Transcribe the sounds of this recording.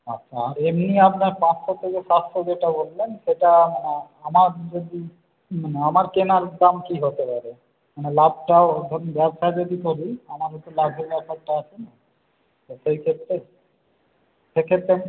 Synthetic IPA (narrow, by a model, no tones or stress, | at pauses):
a̰tːʃʰaɾemniapnaɾpãsʰot̪ʰːekeʃast̪ʰɾod͡ʑeʈabolːenʃeʈamane | amaɾd͡ʑod̪i | maneamaɾkenaɾd̪amkiɦot̪epaɾe | manelab̚ʈanbɛbʃad͡ʑod̪it̪ʰoɾiamaɾɦɔjt̪olabʱebɛbʃaɾʈaat͡ɕʰena | t̪oʃejkʰet̪ːɾe | ʃekʰet̪ːɾe